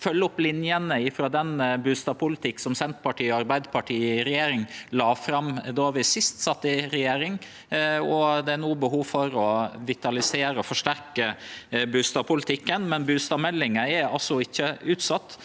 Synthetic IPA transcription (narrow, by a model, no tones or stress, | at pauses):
fœlːəɔplɪnjənəɪfɾoːd̪ɛnbʉːst̪ɑpʰʊlɪt̪ʰɪkːsɔmsɛnt̪pʰɑʈʰiːɑɾbæɪd̪əpʰɑʈʰiːɾɛjeːɾɪŋlɑːfɾɑmd̪oːɑʋɪsɪst̪sɑt̪ːɪɾɛjeːɾɪŋ | ɔd̪ɛæɾnuːəbəɦuːʋfɔɾɔʋɪt̪ɑlɪseːɾəɔfɔʂʈæɾkəbʉst̪ɑpʰʊlɪt̪ʰɪkːənmɛnbʉːst̪ɑmɛlːɪŋəɛɾɑ̰lsɔɪçːəʉːt̪sɑt̪ː